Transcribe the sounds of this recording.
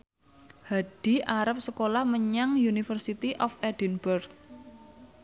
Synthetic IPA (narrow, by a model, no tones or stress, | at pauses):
haɖ̥i̤ʔaɾəp̚səkolahməɲaŋjunifərsit̪iʔɔfɛd̥inbərk̚